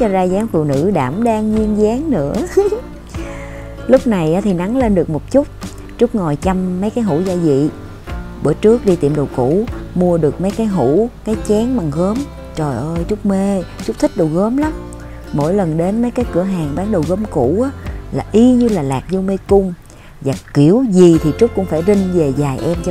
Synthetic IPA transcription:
t͡ɕɔ˧zaː˧zaː˨˦mfṵ˧˨nɨ̰˧˥ɗaː˧˩mɗaː˧ŋzwi˧əŋzaː˨˦ŋnɨ̰˧˥ə | lʊ˦˥k͡p̚na˨˩jʔaː˨˦t̪ʰi˨˩na˨˦ŋle˧nɗɨ˨˩ək̚mo˨˩t̚t͡ɕʊ˦˥k͡p̚ | t͡ɕʊ˦˥k͡p̚ŋɔ˨˩jt͡ɕa˧mːə˨˦jkaː˨˦jɦṵ˧˥zaː˧zḭ˧˨ | ɓə̰ː˧˩t͡ɕɨ˦˥ək̚ɗi˧t̪ḭ˧˨əmɗə˨˩wku˧˩˥mu˧əɗɨ˨˩ək̚mə˨˦jkaː˨˦jɦu˧˩˥kaː˨˦jt͡ɕɛ˨˦ŋɓa˨˩ŋɣəː˨˦m | t͡ɕo˨˩jʔəː˧jt͡ɕʊ˦˥k͡p̚me˧t͡ɕʊ˦˥k͡p̚t̪ʰï˦˥k̟̚ɗə˨˩wɣəː˨˦mla˨˦m | mo̰˧˥jlə˨˩nɗe˨˦nmə˨˦jkaː˨˦jkɨ̰˧˩əɦaː˨˩ŋɓaː˨˦ŋɗə˨˩wɣəː˨˦mku˧˩˥ʔaː˨˦laː˨˩ʔi˧ɲɨ˧laː˨˩laː˨˩k̚zwme˧kʊ˧ŋ͡m | vaː˨˩ki˧˩əwzi˨˩t̪ʰi˨˩t͡ɕu˦˥k͡p̚kʊ̰˧˥ŋ͡mfaː˧˩jzï˧ŋ̟ve˨˩zaː˨˩jʔɛ˧mt͡ɕ

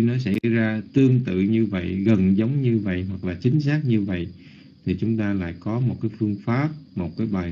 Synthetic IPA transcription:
nɔ˨˦sa˧˩zaː˧t̪ɨ˧əŋt̪ɨ̰˧˨ɲɨ˧və̰˧˨jɣə˨˩nzə˨˦wŋ͡mɲɨ˧və̰˧˨jɦwa˨˩k̚laː˨˩t͡ɕï˨˦ŋ̟saː˦˥k̚ɲɨ˧və̰˧˨j | t̪ʰi˨˩t͡ɕʊ˨˦ŋ͡mt̪aː˧la̰ː˧˨jkɔ˨˦mo˨˩t̚kaː˨˦jfɨ˧əŋfaː˦˥p̚mo˨˩t̚kaː˨˦jɓaː˨˩

